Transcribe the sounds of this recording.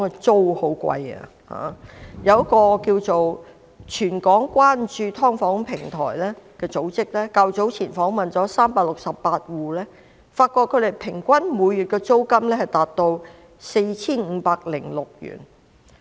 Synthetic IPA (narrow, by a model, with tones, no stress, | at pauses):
ŋɛ˧t͡so˥who˨˥wkʷɐ̰˧jɐ̰˧ | ha̰ː˨˩jɐ˨˧wkɔː˧kiː˧wt͡so˨w | t͡ʃʰyː˨˩nkɔː˨˥ŋkʷwaː˥nt͡ʃyː˧t̪ʰɔː˥ŋfɔː˨˥ŋpʰɪ˨˩ŋt̪ʰɔ̰ː˨˩jlɛː˥kɛː˧t͡so˨˧˥wt͡sɪ˥k̚lɛː˥kɐ˧wt͡so˨˥wt͡sʰiː˨˩nfɔː˨˥ŋmɐ˨nt͡sɔː˨˥saː˥mpaː˧k̚lʊ˨k̚sɐ˨pːaː˧t̚wuː˨lɛː˥ | faː˧t̚kɔː˧t̚kʰːɵ˨˧ɥd̪e˨˩jpʰɪ˨˩ŋkʷɐ˥nmuː˨˧jːyː˨˩t̚kɛː˧t͡so˥wkɐ˥mlɛː˥hɐ˨jt̪aː˨t̚t̪o˧w | se˧jt͡sʰiː˥nŋ̩ː˨˧paː˧k̚lɪ˨˩ŋlʊ˨k̚jy̰ː˨˩n